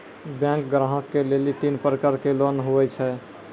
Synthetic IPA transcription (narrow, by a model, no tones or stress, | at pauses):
bjɛ̃ŋkɡɾaɦəkːelelit̪inpəɾkəɾkelonɦuɛt͡ʃʰɛ